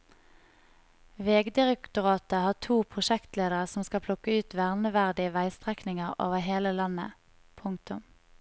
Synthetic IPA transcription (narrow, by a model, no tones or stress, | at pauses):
ʋeːɡd̪ɪʁɛkt̪ʊʁɑːt̪əhɑːt̪ʰuːpʰʁʊʃɛkt̪leːd̪əʁəsɔmskɑpʰlʊkəʉːt̪ʋæʁnəʋæʁd̪ɪəʋæɪst̪ʁɛknɪŋəʁʔo̰ːʋəɦeːləlɑnə̰ | pʰʊŋ̚t̪ʊm